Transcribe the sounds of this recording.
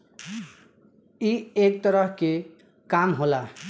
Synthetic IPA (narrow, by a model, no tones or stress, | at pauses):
iek̚t̪ʌɾʌɦke | kamɦola